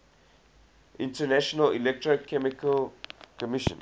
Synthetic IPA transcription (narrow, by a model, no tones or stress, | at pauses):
ʔɪ̃ntənæʃɔnəlilɛk̚tɹəkʰɛmɪkəlkəmɪʃə̰̃n